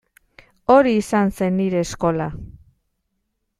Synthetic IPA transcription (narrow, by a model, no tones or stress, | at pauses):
o̞ɾiːsanse̞nːiɾe̞ːsko̞la